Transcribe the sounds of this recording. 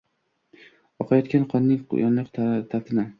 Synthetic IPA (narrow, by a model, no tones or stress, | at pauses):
ɒqʰɑjɒt̪kʲanqʰɒnːɪŋ̰jɒ̰nlɪqt̪t̪ʰat̪ʰɪna